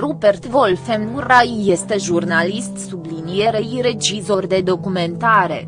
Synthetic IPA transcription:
rubert̪volfemnurajːest̪e̞ʒurnalist̪sublinije̞ɾeiɾe̞d͡ʒizo̞rd̪e̞d̪o̞kume̞nt̪aɾe̞̰

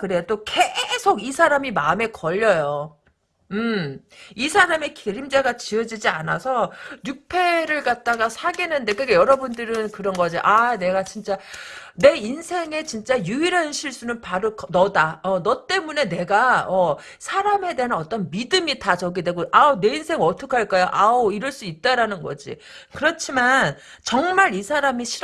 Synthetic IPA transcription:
kɯɾet͈oke̞sʰoɡisʰaɾamimaɯme̞kʌʎːʌjo | ɯmisʰaɾame̞kiɾimd͡ʑaɡat͡ɕiʌd͡ʑid͡ʑianasʰʌɲupʰe̞ɾɯɭkat̚t͈aɡasʰaɡenɯnde̞kɯkejʌɾʌbundɯɾɯnkɯɾʌnɡʌd͡ʑiʔane̞ɡat͡ɕint͡ɕ͈ane̞insʰe̞ŋe̞t͡ɕint͡ɕ͈ajuiɾanɕʰiɭs͈unɯnpaɾoknʌdaʌnʌt͈e̞mune̞ne̞ɡaʌ | sʰaɾame̞de̞ɦanʌt͈ʌnmidɯmitat͡ɕʌɡidwe̞ɡoʔaone̞insʰe̞ŋʌtʰɯ̥kʰaɭk͈ajoʔaoiɾʌɭs͈uit̚t͈aɾanɯnɡʌ̰d͡ʑḭ | kɯɾʌt͡ɕʰiman | t͡ɕʌŋmaɾisʰaɾamiɕʰi

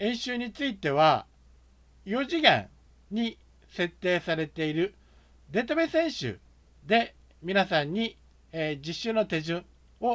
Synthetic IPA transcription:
ẽ̞ɰ̃ɕɨːɲ̟it͡sɨit̪e̞β̞a | jo̞ʑiɡḛ̃ɰ | ɲ̟i | se̞t̪ːe̞ːsaɾe̞t̪e̞iɾɯ̟ | d̪e̞t̪abe̞sẽ̞ɰ̃ɕɨ̰ | d̪e̞ | mʲinasãɲ̟ːi | d͡ʑiɕːɨno̞t̪e̞zɨ̃ɴ̃ | o̞

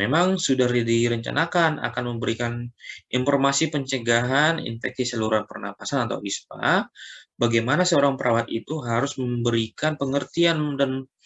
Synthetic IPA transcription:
memaŋsudahdiɾəɲt͡ʃa̰nakana̰kanməmbəɾikaninfɔrmasipəɲt͡ʃəɡaɦanḭnfɛksisaluɾuanpərna̰mpasanat̪a̰wispa̰baɡajmanasəoɾaŋpəɾʔawat̪it̪uɦaɾʊsməmbəɾikanpəŋərt̪iandan

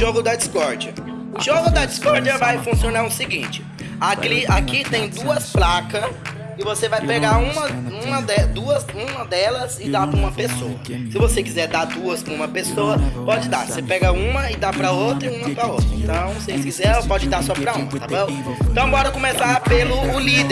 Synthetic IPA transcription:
ʒoɡʊd̪ɐd͡ʒiskɔɾd͡ʒiɐ | ʊʒoɡʊd̪ɐd͡ʒiskɔɾd͡ʒiɐvajfũsionaɾʊsiɡĩt͡ʃɪ̥ | akliakit̪ẽj̃d̪uɐsplakɐs | ɪvosevajpeɡaɾũmɐũmɐd̪ɛd̪uɐzũmɐd̪ɛlɐzɪd̪apɐũmɐpesoɐsɪvosekizɛɾd̪aɾd̪uɐspɾɐũmɐpesoɐpɔd͡ʒɪd̪a̰sepɛɡɐũmɐɪd̪apɾɐowt̪ɾɐiũmɐpɾɐowt̪ɾɐḛ̃t̪ɐ̃w̃w̃seẽsɪ̥kizɛopɔd͡ʒɪd̪aɾsɔpɾɐũmɐt̪abõw̃ | ẽt̪ɐ̃w̃bɔɾɐkõmesaɾpelʊːlid̪

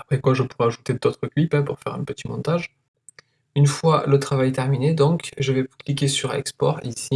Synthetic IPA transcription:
apχɛkwaʒəpuʁɛaʒut̪ed̪ot̪χəkɥipɛ̃puʁfɛʁɛ̃pət̪imɔ̃t̪aʒ | ynfwalət̪χavajt̪ɛʁmined̪ɔ̃kʒəvɛklik̬ʲesyʁa̰ɛ̰kspɔ̰ʁisi

